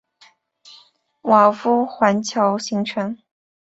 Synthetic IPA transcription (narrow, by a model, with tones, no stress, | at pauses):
wa˨˩fu˥˩xwa˧˥nt͡ɕʰjɑ˧˥ʊɕi˧˥ŋʈ͡ʂʰɤ˧˥ŋ